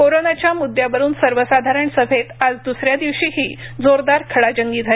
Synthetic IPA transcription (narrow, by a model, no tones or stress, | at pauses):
koɾonat͡ɕjamud̪ʱjaʋəɾuːnsəɾʋəsad̪ʱaɾəɳsəfet̪ad͡zd̪usɾjad̪iʋɕiɦiːd͡zoɾd̪aɾkʰəɭad͡ʑəŋɡiːd͡zʱae